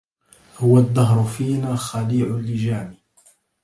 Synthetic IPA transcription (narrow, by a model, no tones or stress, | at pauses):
hʊwad̪ˤːɑɦɾʊfiːnaːxaliːʕʊlːɪd͡ʒaːmi